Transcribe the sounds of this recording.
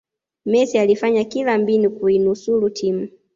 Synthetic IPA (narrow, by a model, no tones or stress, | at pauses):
mɛsialifaɲakilambinukuinusulutʰim̩